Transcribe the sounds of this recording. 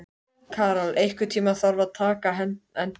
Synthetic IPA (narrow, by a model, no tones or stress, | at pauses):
kʰaːɾalejhkʏt̪ʰiːmaθaɾvaðt̪ʰaːkaɦɛnhɛn